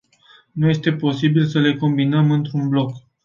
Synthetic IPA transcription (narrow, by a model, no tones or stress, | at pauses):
nuje̞st̪e̞po̞sibilsəle̞ko̞mbinəmɨnt̪ɾunblo̞k